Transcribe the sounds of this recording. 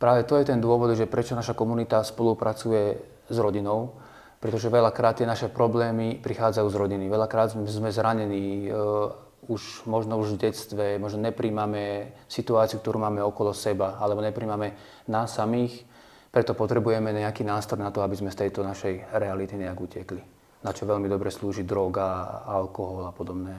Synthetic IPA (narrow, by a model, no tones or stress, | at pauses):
pɾaːʋɛt̪ɔjɛt̪ɛnd̪ʊɔʋɔd̪ʒɛpɾʔɛt͡ʃɔnaʃakɔmunit̪aspɔlupɾat͡sujɛ | zɾɔɟinɔʊ | pɾɛt̪ɔʒɛʋɛʎakɾaːt̪ːɪɛnaʃɛpɾɔblɛːmipɾixaːd͡zajuːzɾɔɟiniʋɛʎakɾaːd̪zmɛzɾaɲɛniː | uʃmɔʒnɔuʒvɟɛt͡st̪ʋɛmɔʒnɔɲɛpɾiːmamɛsit̪uaːt͡siuk̚t̪ɔɾuːmaːmɛɔkɔlɔsɛbaalɛbɔɲɛpɾiːmamɛ | naːsːamiːx | pɾɛt̪ɔpɔt̪ɾɛbujɛmɛɲɛakiːnaːst̪ɾɔjnat̪ɔabizmɛst̪ɛjt̪ɔnaʃɛjɾɛalit̪iɲɛaɡucɪɛkli | nat͡ʃɔʋɛlmid̪ɔbɾɛsluːʒid̪ɾɔɡaalkɔɦɔlapɔd̪ɔbnɛː